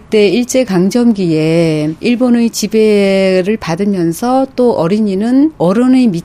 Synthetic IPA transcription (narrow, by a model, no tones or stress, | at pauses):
t͈e̞iɭt͡ɕ͈e̞kaŋd͡ʑʌmɡie̞iɭbonet͡ɕibe̞ɾɯɭpadɯmjʌnsʰʌt͈oʔʌɾiɲinɯnʌɾʌnemi